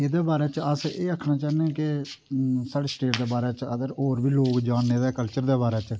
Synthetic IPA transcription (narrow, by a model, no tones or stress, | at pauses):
eːd̪eːbaːɾɛːt͡ʃəseːəkʰnaːt͡ʃaːnẽːkɪ | saːɽeːsʈeːʈd̪eːbaːɾɛːt͡ʃəd̪əɾoːɾbiːloːkd͡ʒaːnːeːd̪ɛːkəlt͡ʃəɾd̪eːbaːɾɛːt͡ʃ